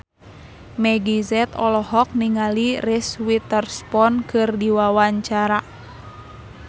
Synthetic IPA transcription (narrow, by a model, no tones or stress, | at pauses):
mɛɡizɛt̪ɔlɔɦɔk̚niŋaliriswit̪ərspɔnkʰɨrdiwawaɲt͡ʃaɾa